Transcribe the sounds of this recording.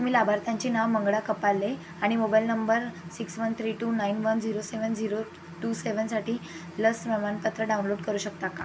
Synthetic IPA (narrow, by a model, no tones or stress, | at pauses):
t̪um̤iːlabʱaɾt̪ãɲt͡ɕiːnaʋməŋɡɽakəpalːe | aɽ̃imobajlnəmbəɾsiksʋənt̪ʰɾiːʈuːnainʋənd͡ziɾoseʋənd͡ziɾo | ʈuːseʋənsaʈiː | ləsmɛmanpət̪ɾəɖawnloɖkəɾuːɕək̚t̪aka